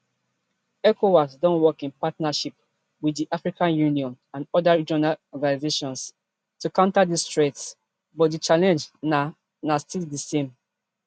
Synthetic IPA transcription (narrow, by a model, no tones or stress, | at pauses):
ɛkʰowɔsdɔ̃nwɔkĩnpatnaʃip̚ | widdiʔafɹikãnjũniɔ̃n | ãnɔdaɹid͡ʒɔnalɔɡanizeʃɔ̃ns | tukãʊ̃ntadistɹets | bɔt̚dit͡ʃalɛ̃nd͡ʒna | nastʰildisẽm